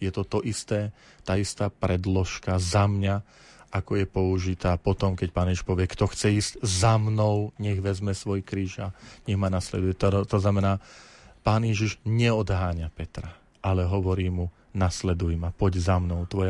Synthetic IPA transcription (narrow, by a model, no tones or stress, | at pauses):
jɛt̪ɔt̪ɔʔist̪ɛː | t̪aːist̪aːpɾɛd̪lɔʃkazamɲa | ʔakɔjɛpɔuʒit̪aːpɔt̪ɔmkɛc̚paːnjɛʒiʃpɔʋɪɛkt̪ɔxt͡sɛiːz̥ɟzamnɔʊɲɛɣʋɛzmɛsʋɔjkɾiːʒaɲɛɣmanaslɛ̰d̪ujɛt̪t̪ɔznamɛnaːpaːnjɛʒiʒɲɛɔd̪ɦaːɲapɛt̪ɾa | ʔalɛɦɔʋɔɾiːmu | naslɛd̪ujmapɔɟzamnɔʊt̪ʋɔja